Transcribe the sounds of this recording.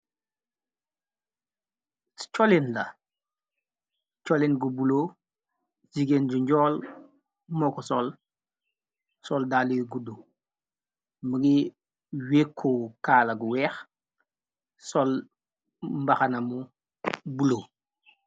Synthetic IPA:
si̥t͡ʃɔlinda | t͡ʃɔlinɡubulo | ziɡend͡ʒuɲɟɔːl | mɔkusɔl | sɔldaliɡudu | məɡi | wekʰːokaːlaɡuwɛːx | sɔl | mbaxanɐmu | buloː

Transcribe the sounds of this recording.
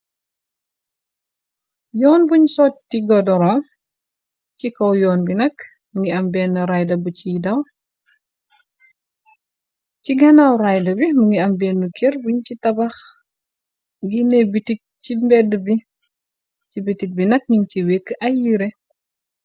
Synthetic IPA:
jɔːnbuɲsɔttiɡɔdɔɾɔ | cikɔwjɔːnbinɐk | muŋiɐmbɛːnːəɾajdɐbucidɐw | ciɡɛnɐwɾajdɐbimuŋɡiɐmbɛnːukɛɾbuɲcitɐbɐx | ɡinɛbitik̚cimbɛdəbi | cibitik̚binɐk̚ɲuɲt͡ʃiwekːʔɐjiɾe

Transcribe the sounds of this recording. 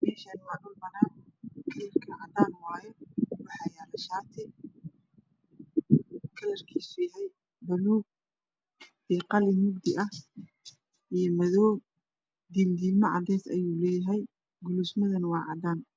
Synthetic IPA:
mɛːʃɐnwɑːɡʊlbɐɾaːnkʰɐɪrkʰɐʕɑd̪aːnwɑːjɔwɑħɑːjɛlɐʃaːt̪ʰɛ | ukʰɐlɐrkʰiːsʊjɐɦɛj | bɐluːɡ̚ | iqɑlɪnmʊɡd̪ɪʔɐh | ʔijɞmɐðɔː | d̪iːmd̪iːlmɐʕɑ̰d̪ɛːsɐ̰juːlɛːjɐɦɛj | ɡʊlusmɐðɐnwɑːʕɑd̪aːn

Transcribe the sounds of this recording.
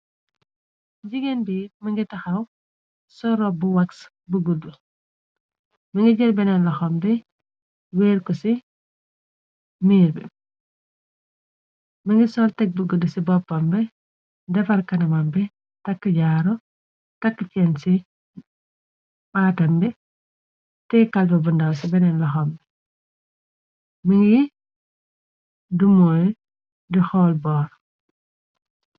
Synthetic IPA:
ɟiɡenbimɐŋɡitɐxɐw | sɔɾɔbuwɐks | buɡudu | mɐŋɡiɟɛlbɛnɐnlɐxɔmbi | wɛːɾkɔsi | miːɾbɛ̰ | mɐŋɡisɔltɛk̚buɡudːusibɔpːɐmbɛ | dɛfɐɾkɐnɐmɐmbɛ | tɐkːəɟaːɾɔ | tɐkːəfɛnsi | baːtɐmbɛ | tɛːkɐlbɐbundɐwsibɛnɛnlɐxɔmbɛ | miŋɡi | dumɔːj | dixɔːlbɔːɾ

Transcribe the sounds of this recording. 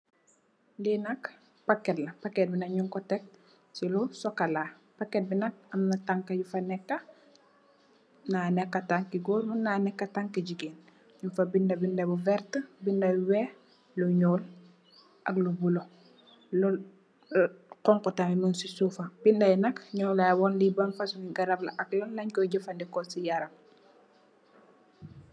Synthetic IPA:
linɐk | pakːɛtlɐpakːɛt̚binɐkɲuŋkɔtɛk̚ | silusɔkːalaː | pakːɛt̚binɐk̚ɐmnataŋkajufɐnɛkːɐ | naːnɛkːataŋkiɡɔːɾmunaːnɛkːataŋkiɟiɡeːn | ɲufɐbindɐbindɐbuvɛɾtbindɐwɛ | luɲuːl | ʔɐklubulɔ | lɔ | qɔŋkɔtamimunsisufɐbindɐjnɐkɲɔːlajwɔnlibɐnfɐsuŋiɡɐɾablɐ̰ʔɐklɔnlɐɲkɔɟufɐndikɔsijaɾɐm

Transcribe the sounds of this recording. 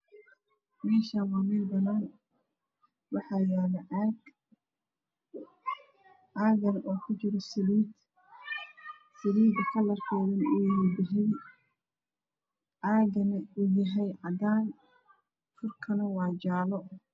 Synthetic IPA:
mɛːʃanwɑːmɪlbɐnaːn | wɑħɑjaːlɐaɡ | aːɣɐnʔɔːkʰʊt͡ʃɪɾɔsɪliːd̪ | sɐliːd̪ɐfɐlɐrkʰɔːðɐnujlɪdɐɦɛj | aːɣɐnɐujɐɦɛjʕɑd̪aːn | fʊrkʰɐnɐwɑːd͡ʒaːlɔ

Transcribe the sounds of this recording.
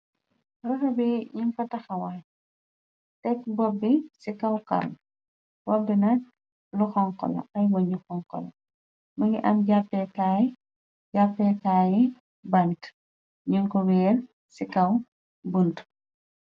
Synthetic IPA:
rɐxɐbɛːɲiŋkɔtɐxɐwa | tɛk̚bɔbːisikɐwkɐ̰ɾ | wɔbinɐ | luxɔŋkɔ̰lɐ̰ʔɐjwɔɲuxɔŋkɔ̰lɐ̰ | mɐŋiʔɐmɟapːɛkaj | ɟapːɛkaːjɛ | bɐnt | ɲiŋkɔwɛːl | sikɐw | bunt

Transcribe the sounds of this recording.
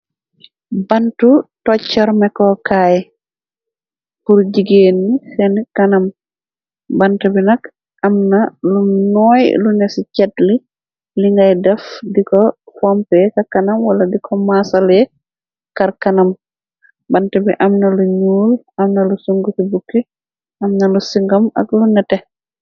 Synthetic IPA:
bantutɔt͡ʃːaɾmɛkɔkaj | puɾɟiɡenːisɛnkanam | bantubinɐk | ʔamnalunɔːjluɲasit͡ʃɛtli | liŋɡɐjdɛfdikɔfɔmpɛkɐkanɐmwalɐdikʰɔmasalɛ | kaɾkanɐm | bantɛbiʔɐmnɐluɲuːlʔɐmnɐlusuŋɡusibukːi | ʔɐmnɐlusiŋɡɐma̰klunɛtɛ

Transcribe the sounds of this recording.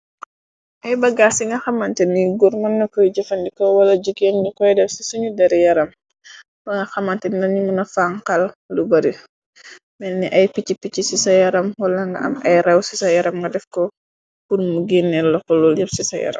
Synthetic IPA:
ʔɐjbɐɡaːsiŋɡɐxɐmɐntɛniɡuɾmɐnːɐkɔjɟɐfɐndikɔwɐlɐɟuɡenɲukɔjdɛfsisuɲudɛɾjɐɾɐm | bɐŋɡɐxɐmɐntɛndɐɲimunɐfaŋkɐl | lubɐɾi | mɛlniʔɐjpicipicːisisɐjɐɾɐmwɐlɐŋɡɐ̰ʔɐ̰mɐjɾɛwsisɐjɐɾɐmŋɡɐdɛfkɔ | punmuɡinːɛlɔkɔlɔljɐpsisɐ̰jɐ̰ɾɐ̰m

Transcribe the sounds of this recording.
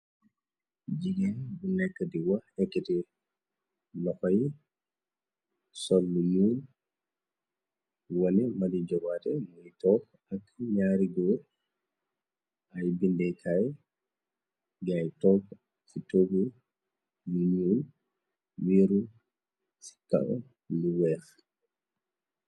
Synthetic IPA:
d͡ʒiɡɛnbunːakːadiwaɛkːɛtɛ | lɔkaj | sɔlːuɲun | walɛmadid͡ʒɔwadɛmuitɔp | akːɲaːɾiɡɔ | ʔajbindɛkʰaj | ɡajtɔkː | sitoɡu | juɲun | miɾu | si̥kːa̰ʔɔ̰ | luwɛːx

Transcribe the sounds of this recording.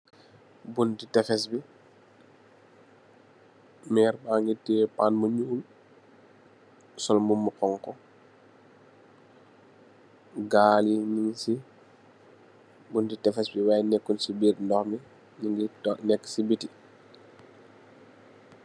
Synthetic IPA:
buntitɛfɛs̬bi | mɛːɾbaːŋɡitːɛpanmuɲuːl | sɔlmumukɔŋkɔ | ɡaːliniŋsi | bunditɛfɛsbiwajnɛkːunsibitndɔxmi | niŋɡinɛkːsibiti

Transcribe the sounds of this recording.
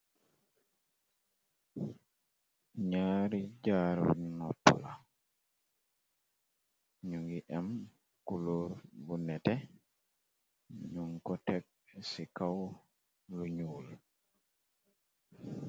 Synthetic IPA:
ɲaːɾid͡ʒaɾwḭnɔpːɔ̰la | ɲuŋɡiʔɛm | kuluɾbunɛtɛ | ɲuŋkɔtɛk̚sikaw | luɲuːl

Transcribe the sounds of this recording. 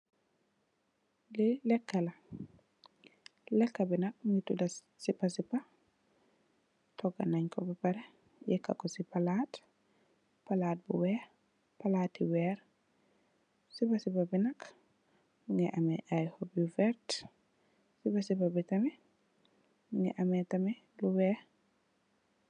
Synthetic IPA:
lilɛkːala | lɛkːabinak̚ŋituda | sipasipa | tɔɡa̰naɲkɔbabaɾe | jɛkːa̰kɔsipalat | palaːt̚buwɛː | palatiwɛɾ | sipasipabinɐk | ŋɡɛʔamɛʔajhobivɛɾt | sipasipabitɐnɛ | ŋɛ̰ʔamɛtamɛ | luwɛ

